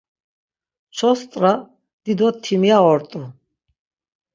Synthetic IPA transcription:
t͡ʃʰɔst̪ʼɾa | d̪̥id̪ɔt̪ʰːimijaɔɾt̪ʼu

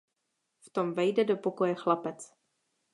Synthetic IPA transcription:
ft̪o̞mvɛjdɛdo̞po̞ko̞jɛxlapɛt͡s

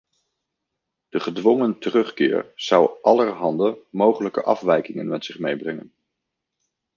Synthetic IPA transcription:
d̥əχədʋɔŋəntərɵχkɪ̰ːɹz̥ʌwʔɑlərɦɑndəmowχələkəʔɑ̰fʋɛjkɪŋənmɛtsɪχmejbrɛŋən

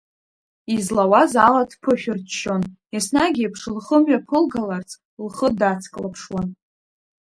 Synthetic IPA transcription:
izlawazaladʰpʰɨʃᶣʏrtʃo̞n | isnaɡʲipʰʂlχəmɥapʰɨlɡalart͡sʰʼ | lχədat͡sʰkʼlapʰʂwan

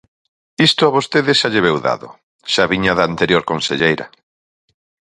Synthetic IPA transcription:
ist̪ʊaβost̪eðɪʃaʎeβ̞ewða̰ðo̰ | ʃaβiɲaðaant̪eɾjoɾkonseʎejɾɐ̰

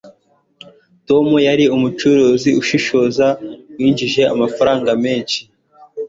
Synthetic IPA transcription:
to̞mujaɾiumut͡ʃuɾuːziuʃiʃo̞ːzawiːnd͡ʒiʒe̞a̰mafaɾaːŋɡame̞ːnʃi̥

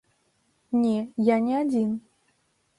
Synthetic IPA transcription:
nʲɛjanʲɛad͡zʲin

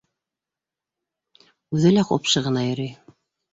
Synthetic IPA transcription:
ʉðɘlæqo̰pʃɤʁɤ̆nɑjɤ̆ɾij

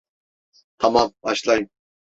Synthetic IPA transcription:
t̪ʰamambaʃlˠajɯm

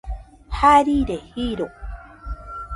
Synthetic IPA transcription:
haɾiɾehiɾo

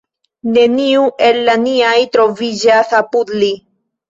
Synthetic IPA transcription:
ne̞niuʔe̞lːaniajtɾo̞vid͡ʒasapudli

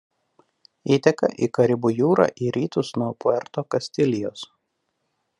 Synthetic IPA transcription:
iːt̪ʲɛkɐ̰ʔiːkɐɾʲɪbuːjuːɾɑ̰ːʔiːɾʲiːt̪ʊsnuɔpʊɛɾt̪oːkɐsʲt̪ʲɪlʲɪjo̰ːs

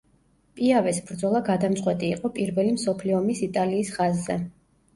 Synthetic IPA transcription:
pʼiavɛsbɾd̪zɔlˠaɡad̪amt̪sʼqʼwɛt̪ʼiːqʼɔpʼiɾvɛlimsɔpʰliɔmisit̪ʼaliːsχazːɛ

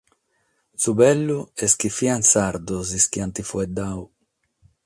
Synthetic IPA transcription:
subɛlːuɛskifiansaɾd̪ɔziskiant̪ifuɛd̪aw

